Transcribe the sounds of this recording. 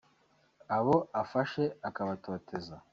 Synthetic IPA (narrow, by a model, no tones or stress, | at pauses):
aβo̞afaʃe̞akaβatʰo̞ːtʰe̞za